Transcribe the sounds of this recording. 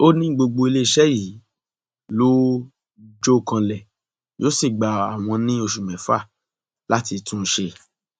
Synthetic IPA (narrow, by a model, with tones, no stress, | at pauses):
o˦nĩ˦ɡ͡bo˧ɡ͡bo˧i˧le˦i˦˨ʃɛ˦ji˨˦ | lo˦ | d͡ʒo˦˨kã˧lɛ˨ | jo˦si˦˨ɡ͡ba˨a˨w̃ɔ̃˧nĩ˦o˧ʃu˨mɛ̃˨˦fa˦˨ | la˦ti˧tʰũ˦ʃe˧